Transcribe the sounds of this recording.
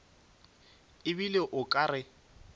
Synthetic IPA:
ɪbileʔʊkʼarɪ

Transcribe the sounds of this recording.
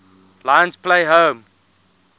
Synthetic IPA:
lãjə̃nspʰleɪɦõːm

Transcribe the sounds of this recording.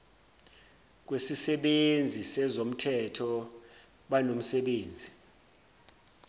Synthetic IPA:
k̬wesisɛɓend͡zʱisɛzom̩tʰɛtʰɔ | ɓanom̩sɛɓeːnd͡zʱi

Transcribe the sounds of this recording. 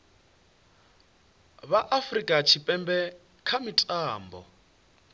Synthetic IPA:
βaʔafrikʼat͡ʃʰipʼɛmbɛ | kʰamitʼaːmbɔ̰

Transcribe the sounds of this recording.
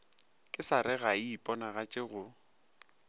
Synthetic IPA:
kʼɪsaɾɛɣaipʼɔnaɣat͡ʃʼɪɣʊ

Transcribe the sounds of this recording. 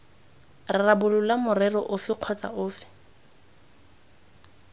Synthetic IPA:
rɪrabʊlʊlamʊrɛrɔʔʊfɪq͡χʰɔt͡sʼa̰ʊːfɪ̥

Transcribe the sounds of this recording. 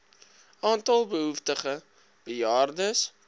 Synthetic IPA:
ʔɑːntɐlˠbəɦuftəχə | b̥əjɑːrdəs

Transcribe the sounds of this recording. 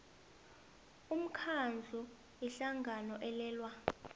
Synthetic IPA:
um̩kʰand͡ɮʱu | iɬaŋɡʱanɔʔɛlɛːlwa

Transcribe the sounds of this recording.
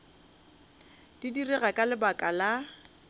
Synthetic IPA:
d̥idirɛɣakʼalɪbakʼala

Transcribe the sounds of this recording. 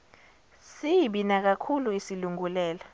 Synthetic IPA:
siɓinak̬akʰuluisiluŋulɛːla

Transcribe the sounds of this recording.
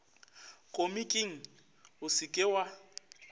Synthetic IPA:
kʼomikʼɪŋ̩ | ʊsɪkʼɪwa

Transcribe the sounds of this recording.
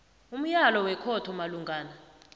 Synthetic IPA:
um̩jalɔwɛkʰɔtʰɔmaluŋɡaːna

